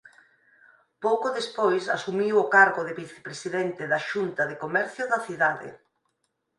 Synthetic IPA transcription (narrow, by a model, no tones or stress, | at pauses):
powkoðespojsasumiwokaɾɣoðɪβiθe̥pɾesiðɛnt̪ɪðaʃunt̪ɐðekomɛɾθjʊðɐθiðaðḛ